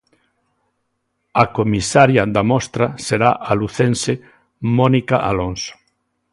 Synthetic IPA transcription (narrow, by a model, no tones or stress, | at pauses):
akomisaɾjad̪amɔst̪ɾaseɾaʔaluθẽnse | mɔnikaʔa̰lonso̥